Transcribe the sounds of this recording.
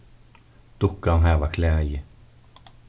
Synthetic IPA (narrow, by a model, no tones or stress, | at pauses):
d̪̥ʊkːaɦæːvakʰlɛːjə